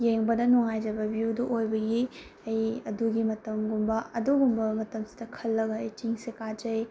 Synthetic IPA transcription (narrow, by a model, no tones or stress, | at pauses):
jeŋbɐdɐnuŋajd͡ʒɐbɐbijuduʔojbɐɡi | ɐjɐduɡimɐtɐmɡumbɐɐduɡumbɐmɐtɐmsi̥dɐkʰɐlːɐɡɐːjt͡ʃiŋsekad͡ʒɐj